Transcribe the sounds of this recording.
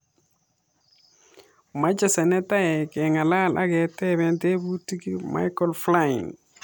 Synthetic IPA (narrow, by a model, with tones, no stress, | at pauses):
ma˦d͡ʒa˨se˨nɛ˦ta˦jɛ˨ke˨ŋa˨la˦lʔa̰˦ɡɛ˨tɛ˦βɛ˨nte˦bu˦ti˦ki˦ma̰˦jkɔ˨lfla˦ḭ˨n